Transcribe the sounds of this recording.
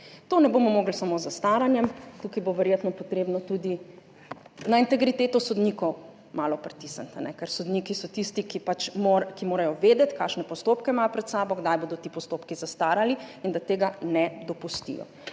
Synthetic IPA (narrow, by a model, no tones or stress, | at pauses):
t̪oːnɛbomɔmoːɡlsamozast̪aːɾanjɛmt̪ukajboʋɛɾjeːt̪nɔpɔt̪ɾeːbnɔt̪ud̪i | naint̪ɛɡɾit̪eːt̪ɔsɔd̪nikɔw | maːlɔpɾɛt̪isant̪anɛkɛɾsɔd̪niːkisɔt̪ist̪ikipat͡ʃmoɾkimoːɾajɔʋeːd̪ɛt̪kaːʃnɛpɔst̪oːpkɛmaːjpɾɛt̪saːbɔɡd̪ajboːd̪ɔt̪iːpɔst̪oːpkizast̪aːɾaliind̪at̪eːɡanɛd̪ɔpust̪ḭjɔ̰